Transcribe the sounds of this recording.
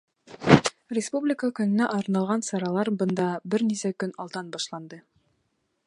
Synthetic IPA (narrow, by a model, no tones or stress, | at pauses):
rʲɪspublʲɪkəkɵ̆nɘ̆næʔɑɾɤnɑlˠʁɑnsɑɾɑlˠɑɾbɤ̆nd̪ɑbɘɾnisækɵnɑlˠd̪ɑnbɑʃlˠɑnd̪ɤ